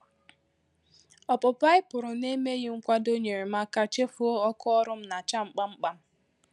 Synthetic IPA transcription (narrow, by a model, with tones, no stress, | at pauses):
ɔ˨pʊ˨pa˦ɪ˦pʊ˨ɾʊ˨ne˦me˦ɣɪ˦ŋ̩˦kʷa˦do˦ɲe˨ɾe˨m̩a˦ka˦t͡ʃe˦fu˦o˦ɔ˦kɔ˦ɔ˦ɾʊ˦m̩˦na˨t͡ʃa˦ŋ͡m̩˨k͡pa˦ŋ͡m̩˦k͡pa˦m̩˦